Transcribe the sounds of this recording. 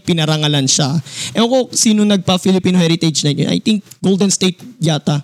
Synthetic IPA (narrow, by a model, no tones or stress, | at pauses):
pɪnɐɾɐŋɐlanʃaʔɛɐkosiːnonɐɡ̚pɐfɪlɪpiːnohɛɾɪt̪ɛd͡ʒnɐno̰nʔɐ̰jt̪iŋk̚ɡ̥old̪ɛnst̪ejt̪̚ɡaːt̪ɐ